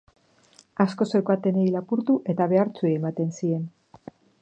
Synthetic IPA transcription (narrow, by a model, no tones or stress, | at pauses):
asko̞sokat̪e̞nejlapuɾt̪uʔe̞t̪aβe̞aɾt͡sueːmat̪e̞nsie̞n